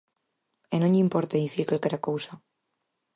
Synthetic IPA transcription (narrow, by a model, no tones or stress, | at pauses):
enõɲimpoɾt̪eðiθiɾkalkeɾakowsa